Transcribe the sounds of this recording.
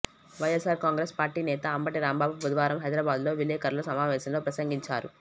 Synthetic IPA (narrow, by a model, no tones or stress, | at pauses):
ʋɐjesaːɾkaːŋɡɾespaːɾʈiːnɛːt̪ɐɐmbɐʈiɾaːmbaːbubud̪ʋaːɾɐmɦɐjd̪ɾaːbaːd̪lo̞ːʋilɛːkɐɾlɐsɐmaːʋɛːʃɐmloːpɾɐsɐŋɡiɲt͡ʃa̰ːɾṵ